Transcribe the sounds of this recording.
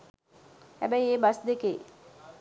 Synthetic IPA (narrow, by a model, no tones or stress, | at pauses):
hæ̰bɛjeːbasd̪eke